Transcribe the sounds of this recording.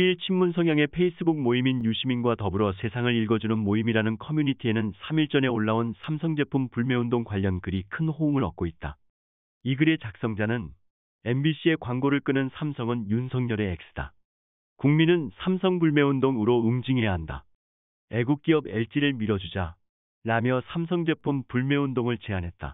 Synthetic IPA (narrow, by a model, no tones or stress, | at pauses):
iɭt͡ɕʰimːunsʰʌŋjaŋe̞pʰe̞is͈ɯbuk̚moiminjuɕʰiminɡwatʌbɯɾʌsʰe̞sʰaŋɯɾiɭɡʌd͡ʑunɯnmoimiɾanɯnkʰʌmjuɲitʰie̞nɯnsʰamiɭt͡ɕ͈ʌne̞oɭːaonsʰamsʰʌŋd͡ʑe̞pʰumpuɭme̞ondoŋkwaʎːʌnkɯɾikʰɯnhouŋɯɭʌk̚k͈oit̚t͈a | iɡɯɾe̞t͡ɕak̚s͈ʌŋd͡ʑanɯn | e̞mbiɕʰie̞kwaŋɡoɾɯɭk͈ɯnɯnsʰamsʰʌŋɯnjunsʰʌŋɲʌɾe̞ːk̚s͈ʰɯ̥d̥a̰ | kuŋminɯnsʰamsʰʌŋbuɭme̞undoŋɯɾoɯŋd͡ʑiŋɦe̞jaɦanda̰ | e̞ɡuk̚k͈iʌbe̞ɭt͡ɕ͈iɾɯɭmiɾʌd͡ʑud͡ʑa | ɾamjʌsʰams̬ʰʌŋd͡ʑe̞pʰumpuɭme̞undoŋɯɭt͡ɕe̞anɦe̞t̚t͈a̰